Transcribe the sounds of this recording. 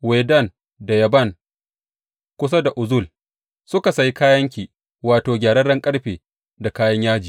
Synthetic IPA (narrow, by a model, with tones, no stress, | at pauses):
weː˨dɐ˦˨n | da˨jɐ˨bɐ˦˨ŋ | kʷʊ˦s̬a˦da˨ʔʊ˨zʊ˦˨l | sʊ˦ka˨sa˦ji˦kaː˦jɐ˦ŋkʲiː˨ | waː˨toː˨ɡʲaː˨ɽɐ˦ɽɐ˦ŋkʼɐ˦ɽɸeː˨ | da˨kaː˦jɐ˦ɲjaː˦d͡ʒiː˨